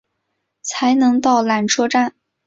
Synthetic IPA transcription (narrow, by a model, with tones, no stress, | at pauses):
t͡sʰa˧˥ɪnɤ˧˥ŋt̪ɑ˥˩ʊla˨˩nʈ͡ʂʰɔ˥ʈ͡ʂa˥˩n